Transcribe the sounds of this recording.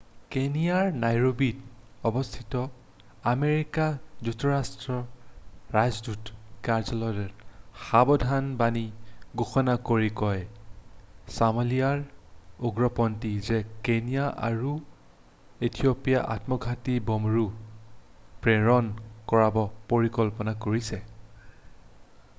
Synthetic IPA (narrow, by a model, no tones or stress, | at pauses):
kenijaɹnajɹobit | ɔbɔstʰitɔ | ameɹikazutʰːɔɹastɹɔ | ɹajzdutkaɹzɔlɔɹɛxabɔdʱanbaniɡoxɔnakoɹikɔj | samalijaɹoɡɹɔpɔntizɛkenijaʔa̰ɹu | etʰiopijaʔa̰tmɔɡʱatibɔmɹu | pɹeɹɔnkɔɹabɔpoɹikɔlpɔnakoɹisɛ